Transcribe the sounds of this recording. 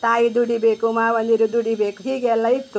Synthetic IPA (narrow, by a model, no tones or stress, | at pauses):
t̪aːjid̪uɽibeːkumaːʋɐnd̪iɾud̪uɽibeːkuɦiːɡeɛlːɐit̪ːu